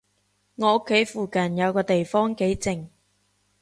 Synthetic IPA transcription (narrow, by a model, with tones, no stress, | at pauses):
ŋɔː˨˧o˥kʰːe˨˥jfuː˨kɐ˨˩njɐ˨˧wkɔː˧t̪e˨jfɔː˥ŋke˨˥jt͡sɪ˨ŋ